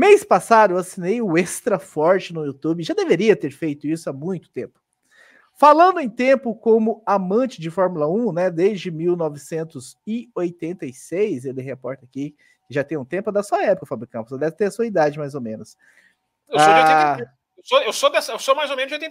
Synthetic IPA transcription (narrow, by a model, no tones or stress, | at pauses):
mejspasad̪ʊewasinejʊest̪ɾɐfɔɾt͡ʃɪnʊut̪ubɪʒad̪eveɾiɐt̪eɾfejt̪ʊisʊamũj̃t̪ʊ̥t̪ẽpʊ̥ | falɐ̃nd̪ʊẽj̃t̪ẽmpʊkõmʊamɐ̃t͡ʃɪd͡ʒɪfɔɾmulɐũnɛd̪ezd͡ʒɪmiwnɔvɪsẽnt̪ʊzɪojt̪ẽnt̪ɐjsejszelɪɦepɔɾt̪ɐaki | kɪʒat̪ẽj̃ũt̪ẽmpʊd̪ɐsuɐɛpʊkɐfabɾikɐ̃pʊsd̪ɛvɪt̪eɾɐsuɐid̪ad͡ʒɪmajzomẽnʊs | ewae | ewsoewsod̪ɛsɐewsomajzowmẽnʊzojt̪ẽ